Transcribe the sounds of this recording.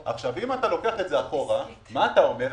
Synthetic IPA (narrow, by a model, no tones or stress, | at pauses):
ʔa̰χʃavimatalo̞keaχetzeaχo̞ʁamaːt̪ao̞me̞